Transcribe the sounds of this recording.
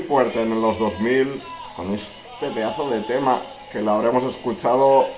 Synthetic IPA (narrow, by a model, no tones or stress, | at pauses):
fweɾt̪eenelozðozmilko̞ne̞s | t̪et̪eaθoðe̞t̪ema̰ | kelaβɾemo̞se̞skut͡ʃað̞o